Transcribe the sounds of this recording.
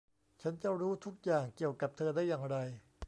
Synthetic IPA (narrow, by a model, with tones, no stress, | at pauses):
t͡ɕʰa˦˥nt͡ɕa˨˩ɾuː˦˥t̪ʰu˦˥k̚jaː˨˩ŋki˨˩əwka˨˩p̚t̪ʰɤː˧daː˥˩jːaː˨˩ŋɾa˧j